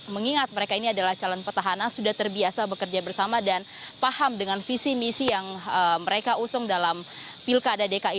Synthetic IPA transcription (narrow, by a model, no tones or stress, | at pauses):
məŋiŋat̪̚məɾekainiadalaht͡ʃalɔnpət̪aɦanansudaht̪ərbiasabəkərd͡ʒabərsamadan | pahamdəŋanfisimisijaŋəməɾekausʊŋdalam | pilkadadekai